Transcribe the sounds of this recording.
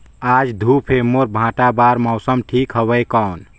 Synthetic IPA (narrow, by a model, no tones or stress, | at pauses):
ad͡ʒd̪ʱupʰemoɾbʱãʈabaɾmɔʊsəmʈʰikɦəbəjkaʊn